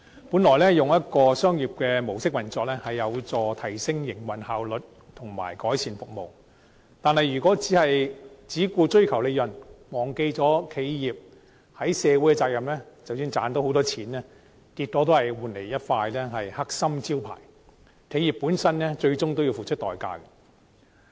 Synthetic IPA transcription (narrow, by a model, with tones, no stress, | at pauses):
puː˨˥nlɔː˨˩jlɛː˥jʊ˨ŋjɐ˥t̚kɔː˧sœː˥ŋjiː˨˩p̚kɛː˧mo˨˩wsɪ˥k̚wɐ˨˩nt͡sɔː˧˥k̚lɛː˥hɐ˨jːɐ˨˧wt͡sɔː˧t̪ʰɐ˨˩jsɪ˥ŋjɪ˨˩ŋwɐ˨˩nhaː˨wlɵ˨t̚ | t̪ʰʊ˨˩ŋma̰ː˨˩jkɔː˨˥jt͡sʰiː˨˩nfʊ˨k̚mo˨w | t̪aː˨nhɐ˨jy˨˩kʷɔː˨˥t͡si˨˥hɐ˨jt͡siː˨˥kuː˧t͡ʃɵ˥ɥkʰɐ˨˩wle˨˧jɐ˨˩nmɔː˨˩ŋke˧jt͡sɔː˨˥kʰe˨˧jjiː˨p̚ | hɐ˨˥jsɛː˨˧wu˨˥jkɛ˧t͡saː˧k̚jɐ˨mnlɛː˥t͡sɐ˨wsyː˧nt͡saː˨˥nt̪o˨˥who˧˥t̪ɔː˥t͡sʰiː˨˥nɛː˥ | kiː˧t̚kɔː˨˥t̪o˥whɐ˨jwuː˨nle˨˩jjɐ˥t̚faː˧jlɛː˥ɦɐ˨jha˥k̚sɐ˥mt͡siː˥wpʰa̰ː˨˩j | kʰe˨˧ji˨pːu˨˥nsɐ˥nlɛː˥t͡ʃɵ˧ɥt͡sʊ˥ŋt̪o˥wji˧wfuː˨˩t͡ʃʰɵ˥t̪ɔː˨jka̰ː˧kɛ˧